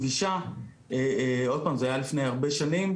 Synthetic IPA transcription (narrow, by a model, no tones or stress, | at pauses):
viʃa | eo̞d̚paːmzeajalifnejaʁbe̞ʃanim